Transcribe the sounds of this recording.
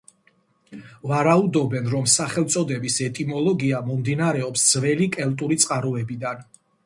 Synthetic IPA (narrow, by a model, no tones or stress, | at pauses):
vaɾaud̪ɔbɛnɾɔmsaχɛlˠt̪sʼɔd̪ɛbisɛt̪ʼimɔlˠɔɡiamɔmd̪inaɾɛɔpsd̪zvɛlikʼɛlt̪ʼuɾit̪sʼqʼaɾuɛbid̪an